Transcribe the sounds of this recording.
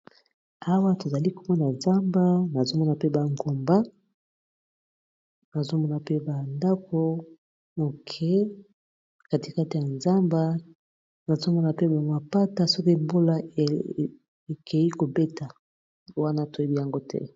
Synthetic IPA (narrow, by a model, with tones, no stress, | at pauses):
a˦wa˦to˨za˨li˦ko˨mɔ˦na˨nza˦mba˦na˨zo˦mɔ˦na˨pe˦ba˨ŋɡo˨mba˦ | na˨zo˦mɔ˦na˨pe˦ba˨nda˦kʰo˦ | mo˨kʰɛ˦ | ka˨ti˨ka˦ti˨ja˨nza˦mba˦ | na˨zo˦mɔ˦na˨pe˦ba˨ma˨pa˦ta˨so˦ko˦e˨mbo˦la˦e˨ | e˨kʰe˨ji˦ko˨be˦ta˨ | wa˦na˦to˨je˦bi˨ja˨ŋɡo˦tʰɛ̰˦